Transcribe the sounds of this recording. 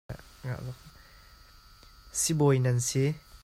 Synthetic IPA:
a̰ | ŋa̰ʔlɔk̚ | sibojnansi

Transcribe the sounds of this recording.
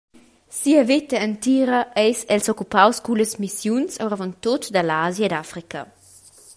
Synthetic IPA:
siɐvit̪ɐənt̪iɾɐʔɛjsɛlsɔkupawskuləsmisjunsawɾavɔnt̪ot̪d̪ɐlaːzjɐed̪afɾikɐ̰

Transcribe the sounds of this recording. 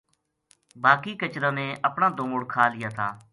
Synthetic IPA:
baːkiːkət͡ʃɾãːnẽːʔəpɳãːd̪oːmʊɽkʰaːlɪjaːt̪ʰaː

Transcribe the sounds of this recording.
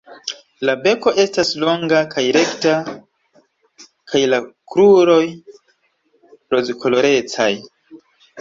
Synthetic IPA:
labe̞ko̞ʔe̞staslo̞ŋɡakʰajɾe̞kta | kʰajlakɾuɾo̞j | ɾo̞zkʰo̞lo̞ɾe̞t͡saj

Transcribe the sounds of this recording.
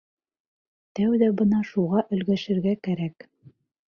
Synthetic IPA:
t̪æwðæbɤnɑʃuʁɑʔɵ̆lɡæʃɘ̆ɾɡækæɾæk

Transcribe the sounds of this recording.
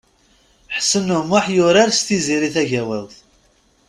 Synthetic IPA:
ħsːənːʊmʊħjʊɾaɾst̪iziɾiθæʝæwælθ

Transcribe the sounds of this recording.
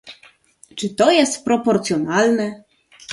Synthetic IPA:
t͡ʂɘt̪ɔjɛst̪̚pɾɔpɔɾt̪sʲjɔnalnɛ

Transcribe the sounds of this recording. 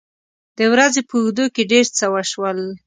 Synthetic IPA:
d̪̥əwɾazepəuxd̪okeɖeɾt͡səwaʃwəl

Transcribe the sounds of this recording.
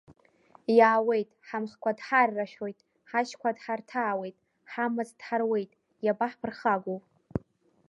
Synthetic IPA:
jaːwe̞jtʼħamχkʷʰadħarːaʃᶣo̞jtʼ | ħaʃkʷadħartʰaːwe̞jtʼ | ħamɨzd̥ħarwe̞jtʼ | jabaħpʰɨrχaɡʷopʼ

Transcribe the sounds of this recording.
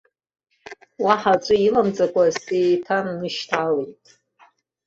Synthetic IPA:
waħat͡ʃʷʼɨilamt͡sʼakʷʼazʼejtʰanːɨʃtʰalejtʼ

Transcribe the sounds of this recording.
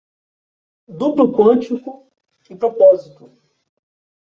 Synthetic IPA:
d̪uplukwɐ̃t͡ʃikʊ | ɪpɾopɔzit̪ʊ

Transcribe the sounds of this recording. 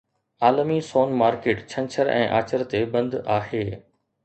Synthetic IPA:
aːlmisoːnmaːɾkeːʈt͡ɕʰɐ̃nt͡ɕʰəɾʔɛ̰̃ːʔa̰ːt͡ɕəɾt̪ebɐ̃nd̪aːɦeː

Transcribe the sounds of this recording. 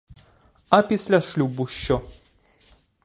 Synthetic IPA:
apʲisʲlʲaʃlʲubuʃːɔ

